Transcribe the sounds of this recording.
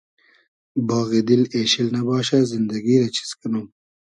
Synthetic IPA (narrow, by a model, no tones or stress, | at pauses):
bɑːɣed̪ileːʃilnɐbɑːʃazɪnd̪ɐɡiːɾɐt͡ʃʰi̥skinum